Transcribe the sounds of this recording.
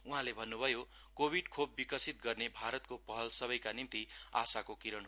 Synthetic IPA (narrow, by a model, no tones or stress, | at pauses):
uɦãlebʱʌnːubʱʌjo | kobʱiɖkʰobːikʌsit̪̚ɡʌrnebʱaɾʌt̪kopʌɦʌlsʌbʌjkanint̪ia̰sakokiɾʌn